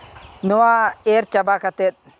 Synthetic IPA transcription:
nowaeɾt͡ʃabakat̪et̪̚

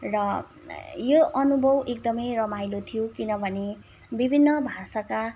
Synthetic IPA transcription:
rʌ | joʔʌnubʱʌwʔek̚d̪ʌmʌjrʌmajlot̪ʰijokinʌbʱʌne | bibʱinːʌbʱasaka

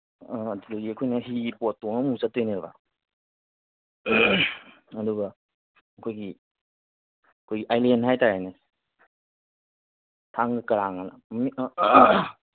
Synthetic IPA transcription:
dudoɡiɐkʰojnɐɦipotːoŋɐmusatejneɾba̰ | ɐduɡɐ | ɐkʰojɡi | ɐkʰojɡiʔajlenɦajtaɾajne | tʰaŋɡɐkɐɾaŋanɐmi

